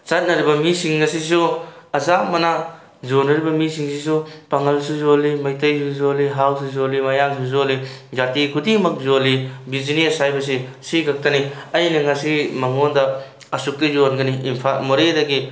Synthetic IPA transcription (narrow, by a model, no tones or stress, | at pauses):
t͡ʃɐt̚nɐɾibɐmisiŋːɐsis̬uɐzamɐna | zonɐɾibɐmisiŋsis̬upaŋɐlsuzolimɐjtɐjsuzoliɦawsuzolimɐjams̬uzolid͡ʒatikʰudimɐk̚zolibiziniɐsajbɐs̬isiɡɐk̚tɐniɐjnɐŋɐsimɐŋondɐ | ɐsuk̚tizonɡɐniimpʰamoɾedɐɡi